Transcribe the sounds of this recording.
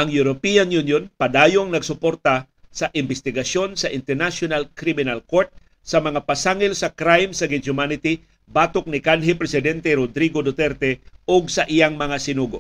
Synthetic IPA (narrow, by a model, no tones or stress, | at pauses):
ʔɐŋjuɾopianjunjonpɐd̪aːjoŋnɐɡsʊpoɾt̪ɐ | sɐʔɪmbɛst̪ɪɡɐsjo̞nsɐʔɪnt̪ɛɾnasjonalkɾimɪnalkoɾt̪̚ | sɐmɐŋapɐsaŋɪlsɐkɾajmsɐɡɪʊmanɪt̪i | baːt̪ok̚nɪkanɦɪpɾɛsɪd̪ɛnt̪ɛɾod̪ɾiɡod̪ot̪ɛɾt̪ɛʔoɡsɐʔɪjaŋmɐŋasɪnuːɡoʔ